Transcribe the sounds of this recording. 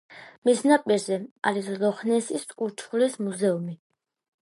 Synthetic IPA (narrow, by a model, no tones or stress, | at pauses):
misnapʼiɾzɛa̰ɾislɔχnɛsisʼkʼuɾt͡ʃʰχulismuzɛumi